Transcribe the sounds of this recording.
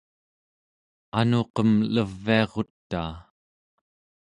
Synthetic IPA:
anoqʌmləvːiɑʁo̞t̪ːaː

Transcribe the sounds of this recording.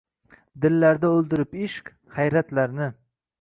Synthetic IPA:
d̪ɪlːaɾd̪aɵlˠd̪ɪɾɪpɪʃkʲ | hajɾat̪laɾnɪ

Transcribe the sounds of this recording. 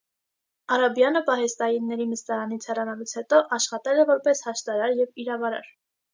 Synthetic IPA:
ɑɾɑbjɑnəpɑɦɛst̪ɑjinːɛɾiməst̪ɑɾɑnit͡sʰhɛrɑnɑlut͡sʰhɛt̪ɔʔɑʃχɑt̪ɛlɛvɔɾpɛshɑʃt̪ɑɾɑɾjɛviɾɑvɑɾɑ̰ɾ

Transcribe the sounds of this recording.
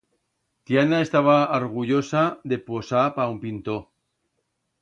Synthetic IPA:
t̪janaest̪aβaoɾɣ̞uʝo̞saðe̞posapaumpint̪o

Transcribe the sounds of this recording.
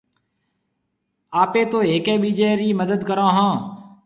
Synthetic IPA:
aːpeːt̪oːeːkeːɓiːd͡ʒeːɾiːməd̪əd̪kəɾãːɦãː

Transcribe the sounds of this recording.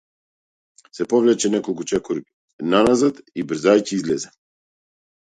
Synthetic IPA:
sɛpɔvlɛt͡ʃɛnɛkɔlˠkut͡ʃɛkɔɾi | nanazat̪ibɾ̩zajciizlɛzɛ

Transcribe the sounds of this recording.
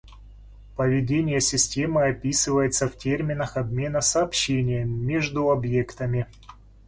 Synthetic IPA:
pəvʲɪdʲenʲɪjəsʲɪsʲtʲe̞mɨɐpʲisɨvəjɪt̪səftʲermʲɪnəxɐbmʲe̞nəsɐːpɕːenʲɪjəːeʐd̪ʊɐbje̞kt̪əmʲɪ

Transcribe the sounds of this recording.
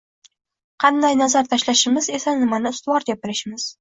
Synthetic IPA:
qʰɑnd̪ajnazaɾt̪ʰaʃlaʃɪmɪze̞sanɪmanɪʊst̪ʊwɒɾɡʲapɪɾɪʃɪmɪz̥

